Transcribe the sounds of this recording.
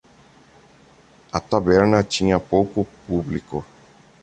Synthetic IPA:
at̪abɛɾnat͡ʃĩãpowkupubliko

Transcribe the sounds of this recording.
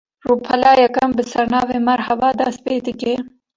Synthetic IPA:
ruːpʰɐlɑːjɐkɐmbəsɐɾnɑːvemɐɾhɐwɑːd̪ɐspeːt̪ɨke

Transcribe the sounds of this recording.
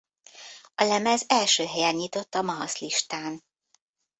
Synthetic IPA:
ɒlɛmɛzɛlʃøːɦɛjɛnɲit̪o̞t̪ːɒmɒɦɒsliʃt̪aːn

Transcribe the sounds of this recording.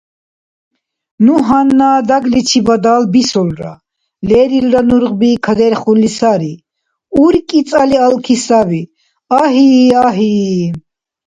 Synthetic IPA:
nuɦanːaːd̪aɡlit͡ʃʰibad̪aːlbisɔlɾa̰ | lɛːɾilɾanuɾʁbikʰad̪ɛɾχunlisaɾi | uɾkʼit͡s̪ʼalialkʰisabi | aɦiaɦi

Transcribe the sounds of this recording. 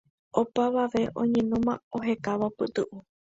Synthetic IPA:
o̞paʋaʋe̞ʔõ̰ɲẽnũmãoɦe̞kaʋapɨt̪ɨʔu

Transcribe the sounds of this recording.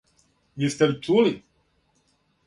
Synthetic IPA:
jist̪ɛlit͡ʂuli

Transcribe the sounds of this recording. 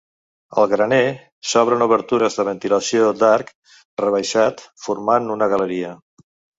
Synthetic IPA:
ə̰lˠɣɾəne | sɔβ̞ɾənuβəɾt̪uɾəzðəβ̞ənt̪iləsiod̪aɾk | rəβəʃat̪fuɾmanunəɣələɾiə

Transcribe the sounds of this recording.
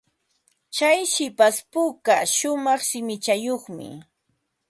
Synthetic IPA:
t͡ʃajʃɪpaspʊkaʃʊmɑχʃɪmɪt͡ʃajoχmɪ̰

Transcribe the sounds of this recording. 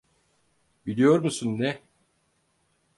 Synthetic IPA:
bilʲijo̞ɾmusunːɛ

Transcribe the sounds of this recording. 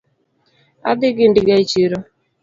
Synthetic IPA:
a̰d̪ɪɡɪndɪɡait͡ʃiɾɔ

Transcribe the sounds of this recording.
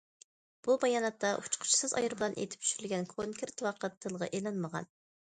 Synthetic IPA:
b̥ubɑjɑnɑt̪ːɑʔu̥t͡ʃqʰʊ̥t͡ʃʰi̥sɨzɑ̰jɨɾbɨlˠɑnʔḛt̪ʰɪ̥p̚t͡ʃ̪ʰy̥ʃyɾylɡʲɛnkʰoŋkʲʰeɾt̪wɑqət̪ʰːɨlˠʁɑ̰ʔelɑnməʁɑ̰n

